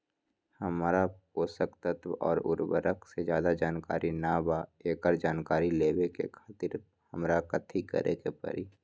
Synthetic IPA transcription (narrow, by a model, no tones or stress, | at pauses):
həmaɾa | oːsəkt̪ət̪ʰʋɔ̰ːɾʊ̰ɾwə̰ɾəkʰsed͡ʒjaːd̪ad͡ʒaːnka̰ːɾʔinabaeːkəɾd͡ʒaːnkaːɾileːwekḛkʰaːt̪ɪɾ | həmɾakət̪ʰikə̰ɾʔḛkepə̰ɾiː